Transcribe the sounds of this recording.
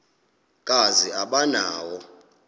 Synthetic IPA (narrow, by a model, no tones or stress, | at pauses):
kʼaziaɓanaːwɔ